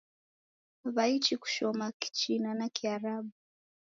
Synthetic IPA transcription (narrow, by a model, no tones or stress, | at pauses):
βait͡ʃiku̥ʃɔmaki̥t͡ʃinanakiaɾaɓu